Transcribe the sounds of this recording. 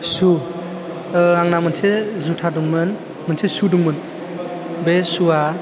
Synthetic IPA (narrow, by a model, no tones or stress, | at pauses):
su | aŋnamɯnsezutʰaduŋmɯn | mɯnsʰesuduŋmɯn | besua